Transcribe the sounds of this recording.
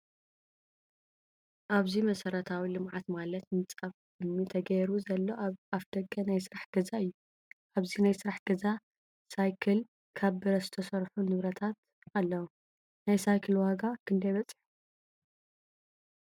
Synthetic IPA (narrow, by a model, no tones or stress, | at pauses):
ʔaβzimɐsɐɾɐt̪ʰawilɨmʕat̪malɐt̪nɨt͡sʼaf | ɨmːit̪ʰɐɡɐɾuzɐlːo̞afd̪̥ɐɡɐnajsɨɾaħɡ̥ɐzaɨjːu | ʔaβzinajsɨɾaħɡ̥ɐza | sajkʰɨl | kʰaβɨɾɐzɨt̪ʰɐsɐɾħunɨβɾɐt̪ʰat̪̚ | alːɐwu | najsajkʰɨlwaɡakʰɨnd̪ɐjβɐt͡sʼːɨ̥ħu̥